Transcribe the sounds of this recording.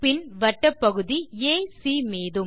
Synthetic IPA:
pɪnʋɐʈːɐpːɐɣɯðieːsiːmeːðɯm

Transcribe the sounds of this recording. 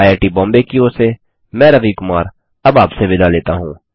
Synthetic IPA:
jeːʈibɔ̃ːmbekioːse | mɛ̃ːɾɐʋikʊmaːɾ | ɐbaːpseʋɪlaleːt̪aɦũː

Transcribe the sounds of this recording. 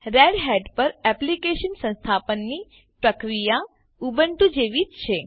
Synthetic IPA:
ɾɛɽɦɛɖpəɾɛplikeʃənsə̃nst̪ʰapənːi | pɾəkɾija | ubəɳʈ̪ũd͡ʒeʋid͡ʒt͡ʃʰe

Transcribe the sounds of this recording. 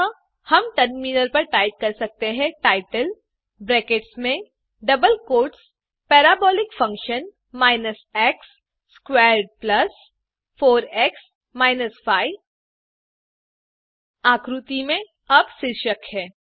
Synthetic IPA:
hɐmʈɐɾminəɾpɐɾʈaːɪʈ̚kɐɾsɐk̚t̪eɦɛ̃ʈaːɪʈəl | bɾɛːkeːʈsmẽ | ɖɐbəlkoːɾʈs | pɛːɾaːbɔːlɪkfɐ̃ŋkʃən | maːɪnəsɛːksː | kwɛːɾɖ̚plɐs | foːɾɛːks | maːɪnəsfʰaːɪ | aːkɾut̪imẽ | ɐbsɪɾʃəkɦɛ̃ː

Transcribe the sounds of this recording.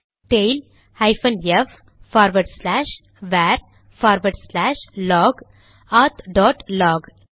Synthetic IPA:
ʈeɪl | haɪfə̃njef | faːɾʋəɾɖslæːʃ | ʋɛːɾ | faːɾʋəɾɖslæːʃlɔːɡ | at̪ɖɔːʈlɔːɡ

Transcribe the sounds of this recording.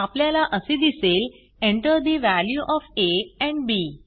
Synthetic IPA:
apljalaʔəsed̪isel | ẽɳʈəɾd̪iʋæljuʔɔfeɛ̃ɳɖbi

